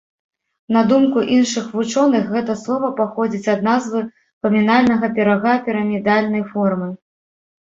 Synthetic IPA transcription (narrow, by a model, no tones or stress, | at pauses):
nɐd̪umkuʔinʂɨxvut͡ʂɔnɨxɣɛt̪ɐslˠɔvɐpaxɔd͡zʲit͡sʲɐd̪̚nazvɨ | pɐmʲinalʲnɐɣɐpʲɛɾaɣapʲiɾɐmʲid̪alʲnɐjfɔrmɨ